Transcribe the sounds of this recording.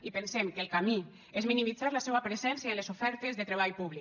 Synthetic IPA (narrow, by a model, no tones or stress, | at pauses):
ipensemkelˠkami | ezminimid͡zaɾləsɛβapɾezɛnsjaelezufɛɾt̪ezðət̪ɾeβ̞ajpuβli